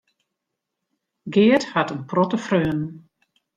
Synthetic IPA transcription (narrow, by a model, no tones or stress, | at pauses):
ɡɪəthatənprɔtəfrøːnn̩